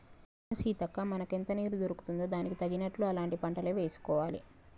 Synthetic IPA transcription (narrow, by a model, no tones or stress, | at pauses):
nɐsiːt̪ɐkːaːmɐnɐkent̪ɐniːɾud̪oɾuku̥t̪und̪oːd̪aːnikit̪ɐɡːinɐʈluɐlaːɳʈipɐɳʈɐleːʋe̞ːsu̥kɔːʋaːlḭ